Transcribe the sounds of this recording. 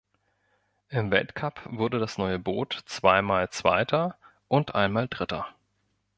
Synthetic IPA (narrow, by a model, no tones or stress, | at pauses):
ʔɪmvɛ̰ltkʰapv̥ʊɐdədasnɔʏəboːtt͡sv̥aɪmaːlt͡sv̥a̰ɪtʰɐ | ʔʊntʔa̰ɪnmaːldʁɪtɐ̰